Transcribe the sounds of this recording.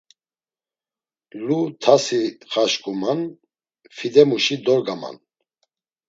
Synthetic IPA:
lut̪ʰasiχaʃkʼuman | fid̪ɛmuʃid̪ɔɾɡama̰n

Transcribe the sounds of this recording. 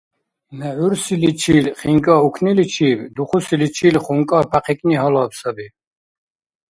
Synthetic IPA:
nɛʕuɾsilit͡ʃʰiːlχiŋkʼaukʰnilit͡ʃʰiːbd̪uχusilit͡ʃʰiːlχuŋkʼapʰaqʰɛkʼniɦɔlaːpsabi

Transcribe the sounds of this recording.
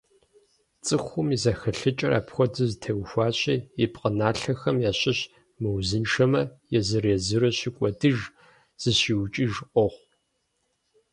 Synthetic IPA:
t͡sʼɨxʷʊmizɐxɐɬɨt͡ʃʼɐrʔa̰ːpxʷɔdɨztʰewxʷɑːɕɐɛpqʼənaːɬɐxɐmjaːɕɪɕ | mɨwzɨnʂɐmɐjɛzɨrezɨɾɐɕɪkʷʼɔdɨʒ | z̥ɨɕiːwt͡ʃʼiːʒʔɔʁʷ

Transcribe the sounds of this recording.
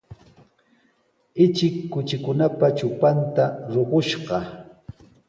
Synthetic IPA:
ɪt͡ʃɪkːʊt͡ʃɪkʊnapat͡ʃʊpant̪aɾoɢoʃɢɑ

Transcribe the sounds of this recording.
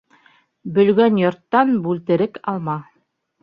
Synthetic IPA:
bɵ̆lɡænjŏɾt̪ːɑnbʉlt̪ɘ̆ɾɘkɑlˠmɑ

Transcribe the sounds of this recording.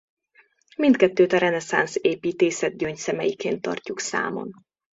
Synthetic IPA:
mint̪kɛt̪ːøːt̪ɒɾɛnɛsa̰nseːpiːt̪eːsɛd̪̚ɟøɲcsɛmɛjikeːnt̪ːɒ̰rcuksa̰ːmo̰n

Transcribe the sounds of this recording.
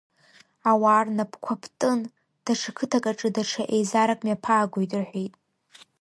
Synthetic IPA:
awaːrnapʰkʷʰapʰtʼɨn | d̥aʈ͡ʂʰakʰɨtʰakʼaʈ͡ʂʼɨdaʈ͡ʂʰaʔejzaɾakʼmjapʰaːɡʷojtʼɨrħʷejtʼ

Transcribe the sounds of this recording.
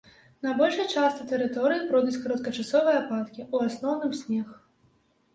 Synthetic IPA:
nɐbɔlʲʂɐjt͡ʂast̪ɐt̪ɛɾɨt̪ɔɾɨjipɾɔd̪ut͡sʲkɐɾɐt̪̚kɐt͡ʂasɔvɨjɛapat̪kʲiʔuasnɔwnɨmsʲnʲɛx

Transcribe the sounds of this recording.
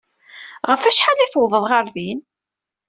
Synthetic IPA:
ʁəfæʃħaliθwðˤəðˤʁaɾðin

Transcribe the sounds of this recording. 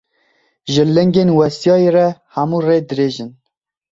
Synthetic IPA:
ʒɨlɛŋɡeːnwɛsjɑːjerɛhæmuːreːd̪ɨɾeːʒɨn

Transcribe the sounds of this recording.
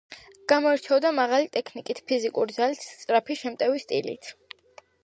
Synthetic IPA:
ɡ̥amɔɛɾt͡ʃʰɛvd̪amaʁalit̪ʼɛkʰnikʼit̪ʰpʰizikʼuɾd̪zalit̪t̪sʼɾapʰiʃɛmt̪ʼɛvist̪ʼḭlḭt̪ʰ

